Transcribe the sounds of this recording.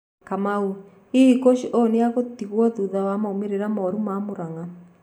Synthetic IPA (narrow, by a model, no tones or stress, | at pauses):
kamau | ikoʃiʔɔnejaɣot̪iɣwɔðuðawamaomeɾeɾamaɔɾumamoɾaŋa